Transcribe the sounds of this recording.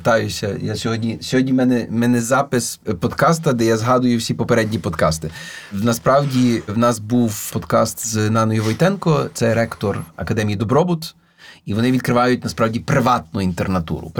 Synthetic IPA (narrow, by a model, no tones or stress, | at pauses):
t̪ɑjʊsʲɐjasʲɔɦɔdʲnʲisʲɔɦɔdʲnʲimɛnɛmɛnɛzɑpɪspɔd̪kɑst̪ɐd̪ɛjazɦɑd̪ʊjʊwsʲipɔpeɾɛdʲnʲipɔd̪kɑst̪ɪnɐspɾɑwdʲiwnɑsbuwpɔd̪kɑ̰st̪znɑnɔjʊʋɔjt̪ɛnkɔt̪sɛɾɛkt̪ɔrɐ̰kɐd̪ɛmʲijid̪ɔbɾɔbʊt̪ | iʋɔnɪʋʲid̪̚kɾɪʋɑjʊt̚ʲnɐspɾɑwdʲipɾɪʋɑt̪̚nʊint̪ernɐt̪ṵɾʊ̰